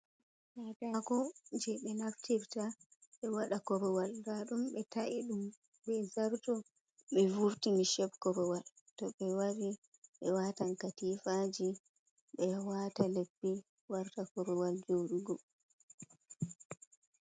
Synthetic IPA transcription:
nadaɡɔd͡ʒɛɓɛnaftiɾtaɓɛwaɗakɔɾɔwaldaɗumɓɛtaʔiɗum | bɛzaɾtɔ | ɓɛvuɾtimiʃɛbkɔɾɔwal | tɔɓɛwaɾi | ɓɛwatankatifad͡ʒi | ɓɛwatalebːi | waɾtakɔɾɔwald͡ʒoɗuɡɔ

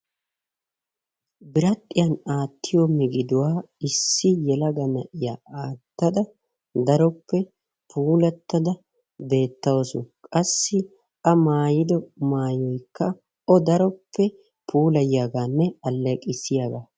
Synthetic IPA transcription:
bɪɾɐt̪ʼːɪjɐnaːt̪ːɪjomɪɡɪd̪ʊwaː | ɪsːɪjɛlɐɡɐnɐʔɪjaaːt̪ːɐd̪ɐ | d̪ɐɾɔpːɛ | pʰuːlɐt̪ːɐd̪ɐ | be̞ːt̪ːɐwɔsʊkʼɐsːɪ | ʔɐmaːjɪd̪ɔmaːjɔjkːɐ | ɔd̪ɐɾɔpːɛ | pʰuːlɐjjaɡaːnːɛɐlːɛkʼɪsɪjaːɡaː

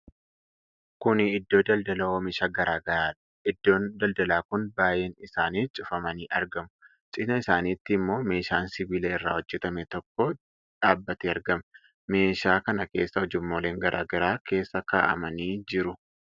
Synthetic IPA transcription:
kʊnɪɪd̪ːo̞ːd̪ɐld̪ɐlɐwomɪʃaːɡɐɾaːɡɐɾaːᶑɐ̥ | ɪd̪ːo̞ːnd̪ɐld̪ɐlaːkʊnbaːje̞ːnɪsaːniːt͡ʃʼʊfɐmɐniːʔɐɾɡɐmʊ̥ | t͡ʃʼɪnɐɪsaːniːt̪ːɪmːo̞ːme̞ːʃaːnsɪbiːleːɪrːa̰ːhɔd͡ʒːɛt̪ɐmɛt̪ɔkːo | ᶑaːbːɐt̪iːɐɾɡɐm | me̞ːʃaːkɐnɐke̞ːsːɐɔd͡ʒɪmːoːle̞ːŋɡɐɾʔa̰ːɡɐɾaːke̞ːsːɐka̰ːʔɐ̰mɐniːd͡ʒɪɾʊ

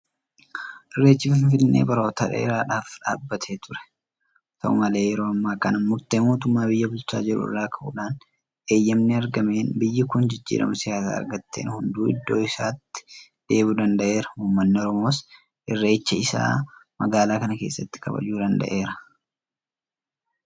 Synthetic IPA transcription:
ʔɪrːe̞ːt͡ʃːɪfɪɱfɪnːḛːbɐɾoːt̪ɐᶑɛ̰ɪɾaːᶑaːfᶑa̰ːbːɐt̪ʰeːt̪ʊɾɛ̥ | t̪ɐ̰ʔʊ̰mɐle̞ːjɛɾo̞ːɐmːaːkɐnɐːʊɾt̪eːmo̞ːt̪ʊmːaːbɪjːɐbʊlt͡ʃːa̰ːd͡ʒɛɾṵraːkʰɐʔṵːᶑaːn | ʔeːjːɐmnɪɐɾɡɐme̞ːnbɪjːɐkʊnd͡ʒɪd͡ʒːḭːɾɐ̰mɐsɪjaːsa̰ːɐ̰ɾɡɐt̪ːeːnhʊnd̪uːɪd̪ːo̞̰ːɪsaːt̪ːɪ̥ | d̪̥e̞ːbuːd̪ɐnd̪ɐʔe̞ːɾɐ̥huːmːɐnːɪɔɾɔmo̞ːs | ʔɪrːeːt͡ʃːɐɪsa̰ːmɐɡaːlaːkɐnɐke̞ːsːɐt̪ːɪ̥kʰɐ̰bɐ̰d͡ʒuːd̪ɐnd̪ɐ̰ʔe̞ːɾɐ̥

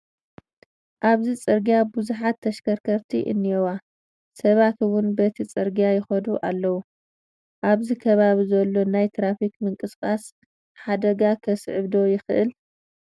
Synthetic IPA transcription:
ʔaβzit͡sʼɨɾɡijabuzuħat̪ʰːɐʃkʰɐɾkʰɐɾt̪ʰiʔɨ̰nːijɛwa | sɐβat̪wʊnbɐt̪ʰit͡sʼɨɾɡijajɪxɐd̪uʔalːɐwu | ʔaβzikʰɐβaβizɐlːo̞najt̪ʰɾafikmɨŋkʼɨskʼas | ħad̪ɐɡakʰɐsʕɨβd̪o̞jɪxɨ̰ʔɨ̰l

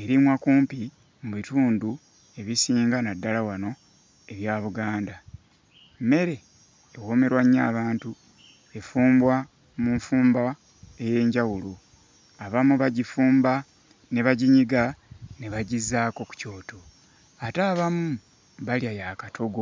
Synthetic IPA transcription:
e̞ɾimwakuːmpi | muβituːndu | e̞βisiːŋɡanadːalawano̞ | e̞βjaːβuɡaːnda | me̞ɾe̞ː | woːme̞ɾwaɲːaːβaːntu | e̞fuːmbwa | muɱfuːmba | e̞je̞ːɲɟawulu | aβamuβaɟifuːmba | ne̞βaɟiɲiɡane̞βaɟizːaːko̞ku̥co̞ːto | ataːβamu | βaljajaːkatʰo̞ɡo

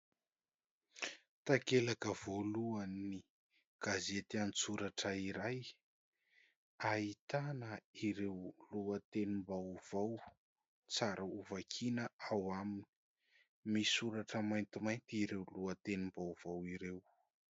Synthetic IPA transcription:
t̪akelakəv̥oluani | ɡ̥azet̪ianit͡suɾaʈ͡ʂəiɾaj | ait̪anəiɾewluat̪enimbawv̥aw | t͡saɾʔəuvakʰinəawamini̥ | misuɾaʈ͡ʂəmajnt̪imajnt̪iɾewluat̪enimbawv̥awiɾew

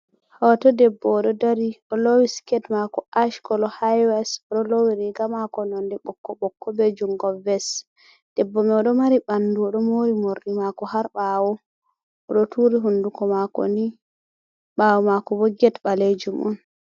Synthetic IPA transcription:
hɔtɔdɛbːɔɗɔdaɾiɔlowiskɛtmakɔʔaʃkɔlɔhajwɛsɔɗɔlowiɾiɡamakɔnɔndɛɓɔkːɔɓɔkʰːɔbɛd͡ʒuŋɡɔvɛs | d̥ɛbːɔmɛɔɗɔmaɾiɓanduɔɗɔmoɾimoɾɗimakɔhaɾɓaːwɔ | ɔɗɔtuːɾiɦundukɔmakɔ̰ni | ɓawɔmakɔwɔɡɛtbaled͡ʒumʔṵn

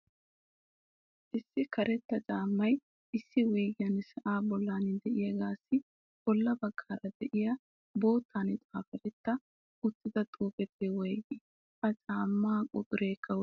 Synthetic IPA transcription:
ʔɪsːɪkɐɾɛt̪ːɐt͡ʃʼaːmːɐj | ʔɪsːɪwiːɡɪjɐnsɐʔaːbɔlːaːnɪd̪ɛʔɪjɐɡaːsːɪ | b̥ɔlːɐbɐɡ̥ːaːɾɐd̪ɛʔɪjɐ | bo̞ːt̪ːaːnɪt͡s̪ʼaːfɛɾɛt̪ːɐ | ʊt̪ːɪd̪ɐt̪ʼuːpɛt̪ʰewɔjɡɪ | ɐt͡ʃʼaːmːaːkʼʊt̪ʼʊɾeːkʰːɐw

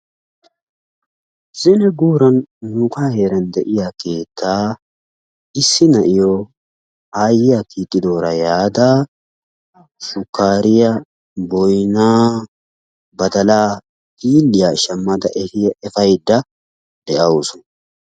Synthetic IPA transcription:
z̥ɪnɛɡuːɾɐnːuːkaːhe̞ːɾɐnd̪ɛʔɪjake̞ːt̪ːaː | ɪsːɪnɐʔɪjo | aːjɪjakiːt̪ʼːɪd̪o̞ːɾɐjaːd̪aː | ʃʊkːaːɾɪjɐ | bɔjnaː | bɐd̪ɐlaː | tiːlːɪjaʃɐmːɐd̪ɐʔɛɪɛfɐjd̪ːɐ | d̪̥ɛʔɐwʊsʊ̥n

